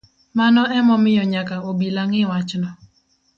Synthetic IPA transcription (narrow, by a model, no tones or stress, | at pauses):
manɔʔɛmɔmɪjɔɲakaobilaŋɪwat͡ʃnɔ